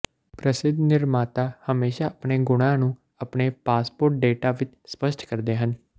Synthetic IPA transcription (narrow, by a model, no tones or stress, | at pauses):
pɾəsɪd̪nɪɾmaːt̪aːhəmeːʃaːəpɳeːɡʊɽ̃ãːnũː | əpɳeːpaːspoːɾʈ̚ɖeːʈaːʋɪt͡ʃ | spəʃʈkəɾd̪eːɦən